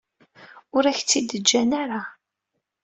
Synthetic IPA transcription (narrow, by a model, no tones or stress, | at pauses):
ʊɾæçt͡sːid̪əd͡ʒːænaɾa